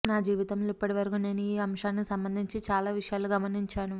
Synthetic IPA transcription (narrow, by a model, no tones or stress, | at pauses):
naːd͡ʒiːʋit̪ɐmloːipːɐʈiʋɐɾkune̞ːnuiːɐmʂaːnːikisɐmbɐnd̪ʱiɲt͡ʃit͡ʃaːlaːʋiʂɐjaːluɡɐmɐniɲt͡ʃaːnu